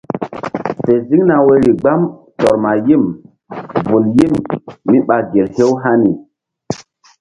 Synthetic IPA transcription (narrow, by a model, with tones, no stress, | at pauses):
pe˨zi˦ŋna˨we˦ɾi˨ɡ͡ba˦m | tɔ˨ɾma˨ji˦˨m | vu˨lji˦mːi˦ɓa˨ɡe˨lhe˦wɦa˦ni˨